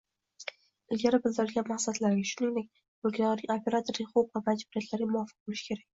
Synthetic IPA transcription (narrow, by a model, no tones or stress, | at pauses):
ɪlɡʲaɾɪbɪzzaɾɪlɡʲanmaqsad̪laɾɡʲɪʃʊnɪŋd̪ek̚ʲ | bʊlkʲʰɒʁnɪŋopʰʲe̞ɾat̪ʰoɾɪχopvamad͡ʒbuɾijat̪ʰlaɾɡʲamʊwɒfɨ̥q̚bolɪʃkʲʰe̞ɾak̚ʲ